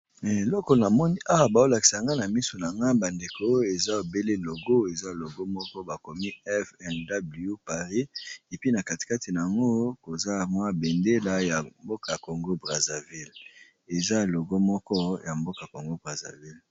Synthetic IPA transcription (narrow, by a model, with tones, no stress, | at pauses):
e˨lɔ˦ko˨na˨mɔ˦ni˦ʔa˦wa˨ba˨o˦la˨ki̥˨sa˨ŋɡa˦na˨mi˦so˨na˨ŋɡa˦ba˨nde˨ko˦e˨za˦o˨be˦le˦lo˨ɡo˦e˨za˦˨lo˨ɡo˦mɔ˦kɔ˦ba˨ko˨mi˦ɛ˦fɛ˦nda˦bli˨o˦pa˨ʁi˦e˨pi˦na˨ka˨ti̥˨ka˦ti˨na˨a˨ŋɡo˦ko˨za˦˨mwa˦be˨nde˦la˨ja˨mbo˦ka˨ko˨ŋɡo˦bʁa˨za˨vi˦l | e˨za˦˨lo˨ɡo˦mɔ˦kɔ˦ja˨mbo˦ka˨ko˨ŋɡo˦bʁa˨za̰˨vi˦l